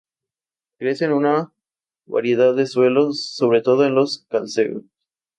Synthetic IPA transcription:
kɾe̞senuna | βa̰ɾje̞ðaðːe̞swe̞lo̞sːo̞βɾe̞t̪o̞ðoenlo̞skalseɣo̰

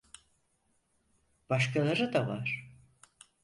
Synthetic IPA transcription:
b̥aʃkʰalˠaɾɯd̪ava̰ɾ̥

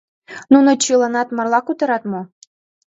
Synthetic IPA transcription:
nunot͡ɕilˠɑnɑt̪mɑrlˠɑkut̪ɤ̆ɾɑt̪mu

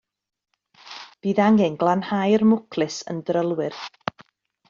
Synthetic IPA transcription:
b̥iːðaŋɪŋɡlˠanhajrmʊkʰlˠɨsə̰ndrəlˠwɪr

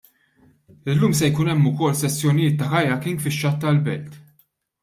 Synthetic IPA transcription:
ɪlːuːmsɛjkʊnɛmːʊkɔlsɛsːjɔnɪjɪːt̪ːɐħɐjɐkɪŋɡfɪʃːɐt̪ːɐlbɛlt̪

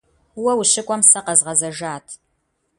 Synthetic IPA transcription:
wɐwʊɕɪkʷʼɔmsɐqɐzʁɐzɐʒaːtʰ

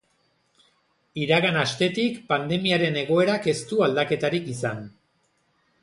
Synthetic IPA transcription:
iɾaɣanast̪e̞t̪ikpand̪e̞miaɾe̞ne̞ɣ̞o̞e̞ɾake̞st̪uald̪ake̞t̪aɾikisan

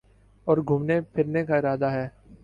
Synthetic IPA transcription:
ɔːɾɡʱʊmnepʰɪɾnekaɪɾaːd̪aɦɛː

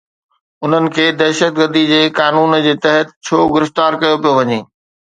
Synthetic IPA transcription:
ʊn̤ənɪ̆kʰeːd̪ɛɦʃət̪̚ɡəɾd̪id͡ʑeːkaːnuːnd͡ʑeːt̪ɐɦət̪t͡ɕʰoːɡɪɾɪft̪aːɾkɐjopijoʋɐɲeː

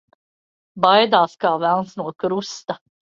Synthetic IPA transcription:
bajd̪aːskaːvælˠnsnuɔkɾust̪a

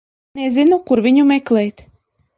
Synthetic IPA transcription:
nezinukuɾvʲiɲumɛklɛjt̪

